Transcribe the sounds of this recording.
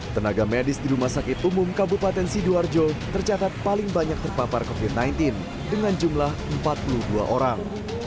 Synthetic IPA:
t̪ənaɡamɛdɪsdiɾumahsakɪt̪umʊmkabupat̪ɛnsiduard͡ʒot̪ərt͡ʃat̪at̪̚palɪŋbaɲak̚t̪ərpaparkofit̪̚najnt̪ɪn | dəŋand͡ʒumlahəmpat̪̚puluhdua̰ʔoɾaŋ

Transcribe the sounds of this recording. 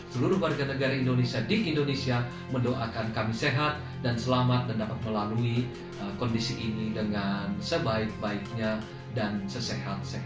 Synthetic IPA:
səluɾuhwarɡanəɡaɾaindonesiadiʔindonesia | məndoʔakankamiseɦat̪̚ | dansəlamat̪̚dandapat̪̚məlalui | əkɔndisiʔːnidəŋansəbaɪk̚baik̚ɲa | dansəsehat̪̚se

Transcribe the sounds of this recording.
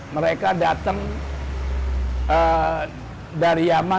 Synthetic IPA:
məɾekadat̪aŋ | ə | daɾijama

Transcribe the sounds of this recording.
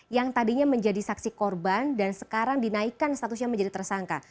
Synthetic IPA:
jaŋt̪adiɲaməɲd͡ʒadisaksikɔrbandansə̥kaɾaŋdinaikanst̪at̪usɲaməɲd͡ʒadit̪ərsaŋka̰

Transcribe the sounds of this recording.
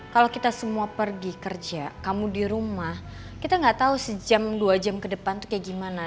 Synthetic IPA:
kalokit̪asəmuapərɡikərd͡ʒakamudiɾumah | kit̪aŋɡaʔt̪ausəd͡ʒamduad͡ʒamkədəpant̪u̥kjaɡimana

